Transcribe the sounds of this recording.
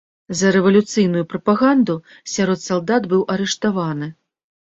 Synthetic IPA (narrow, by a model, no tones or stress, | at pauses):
zɐɾɛvɐlʲut̪sɨjnujupɾɐpaɣand̪u | sʲaɾɔt̪salˠd̪ad̪bɨwʔɐɾɛʂt̪avanɨ